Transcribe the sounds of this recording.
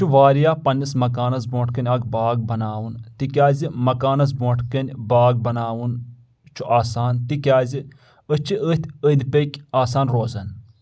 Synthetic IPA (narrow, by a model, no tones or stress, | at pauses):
t͡ʃʰuʋaːɾijaːpɐnʲːismɐkaːnɐs̬bõːʈʰkɐnʲɐɡbaːɡ̚bɐnaːwunt̪ikʲaːzimɐkaːnɐs̬boːʈʰkɐnʲbaːɡ̚bɐnaːwun | t͡ʃʰuʔaːsaːnt̪ikʲaːzi | ət͡ʃʰiəːt̪ʰʲəd̪ʲpəkʲaːsaːnɾoːzɐn